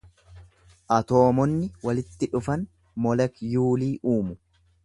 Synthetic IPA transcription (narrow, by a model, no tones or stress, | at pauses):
ʔɐt̪o̞ːmɔnːɪwɐlɪt̪ːɪᶑʊfɐn | mɔlɛkjuːliːʔuːmʊ